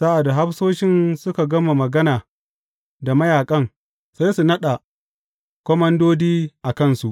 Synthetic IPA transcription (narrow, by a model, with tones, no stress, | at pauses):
sa˦ʔa˨da˨ɦa˦ɸsoː˦ʃɪ˦nsʊ˦ka˨ɡɐ˦ma˨mɐ˨ɡɐ˦naː˨ | da˨mɐ˦jaː˨kʼɐ˦ŋ | sa˦jsu˨nɐ˦ɗa˨ | kʷɔ˦mɐ˦ndoː˦diː˦ʔa˨kɐ˦˨nsu˨ʔ